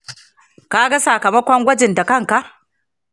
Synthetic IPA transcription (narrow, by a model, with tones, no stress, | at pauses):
kaː˦ɡa˦sa˨kɐ˨mɐ˦kʷɔ˦ŋɡʷɐ˦d͡ʒɪ˨nda˨kɐ˦˨ŋka˨ʔ